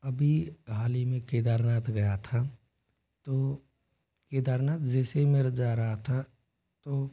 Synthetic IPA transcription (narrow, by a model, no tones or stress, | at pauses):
əbʱiɡʱaːlimẽkeːd̪aːɾnaːt̪ʰɡɐjat̪ʰa | t̪o | keːd̪aːɾnaːt̪d͡ʒɛːsemẽɾd͡ʒaːɾəɦat̪ʰa | t̪oː